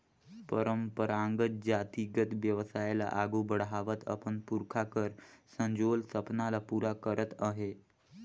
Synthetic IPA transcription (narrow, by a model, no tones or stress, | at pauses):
pəɾəmpəɾaŋɡət̪̚d͡ʑat̪iɡət̪ʋjəʋsajla̰ʔaɡubəɽɦaʋət̪ʰə̰pəɳpuɾkʰakəɾsə̃ɲd͡ʑolsəpnalapuɾakəɾət̪aɦe